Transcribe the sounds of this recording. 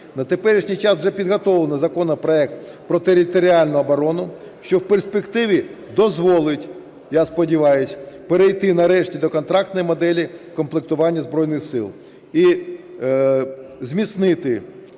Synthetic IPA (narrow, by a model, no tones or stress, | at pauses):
nɐt̪epɛɾʲiʃnʲijt͡ʃɑswʒɛpʲid̪ɦɔt̪ɔlˠnɐzɐkɔnɔpɾɔɛk̚t̪pɾɔt̪eɾʲɪt̪ɔɾʲialʲnʊɐbɔɾɔnʊ | ʃt͡ʃɔwpersʲpekt̪ɪʋʲi | d̪ɔzʋɔlˠɪtʲ | jaspɔdʲiʋɑjʊsʲpeɾejt̪ɪnɐɾɛʃtʲid̪ɔkɔnt̪ɾɑkt̪nɔjimɔd̪ɛlʲikɔmplˠɪk̚t̪ʊʋɑnʲːɐzbɾɔjnɪxsɪlˠ | i | zʲmʲit̪snɪt̪ɪ